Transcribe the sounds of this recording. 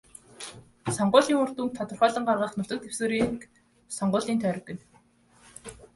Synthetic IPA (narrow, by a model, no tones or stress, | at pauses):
sɔɴɢʊːɮiːŋʊr̥t̪uːnt̪ʰːat̪ə̆rχœːɮə̆ɴɢarʁə̆χnʊt̪ə̆k̚t̪ʰew̥soːɾiːŋk | sɔɴɢʊːɮiːnt̪ʰœːɾ̆ʲkːɘ̆n